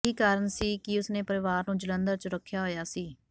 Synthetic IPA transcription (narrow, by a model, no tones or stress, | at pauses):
iːkaːɾənsiːkɪʊsnẽːpəɾɪʋaːɾnũːd͡ʒələ̃nd̪əɾt͡ʃəɾəkʰːjaːɦoːjaːsiː